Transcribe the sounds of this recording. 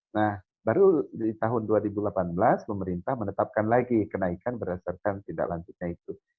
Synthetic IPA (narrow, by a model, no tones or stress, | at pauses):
nah | baɾudit̪aɦʊnduaɾibulapanbəlasməməɾint̪ahmənət̪ap̚kanlaɡikənaikanbərdasarkant̪ida̰ʔlaɲd͡ʒʊt̪̚ɲait̪u